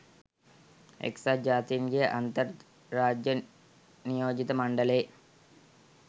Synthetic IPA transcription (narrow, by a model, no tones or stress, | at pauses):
ḛksad͡ʒaːt̪ijɐŋɡejʔant̪ɐrː | aːd͡ʒjɐ | nijoːd͡ʒit̪əmɐɳɖɐleː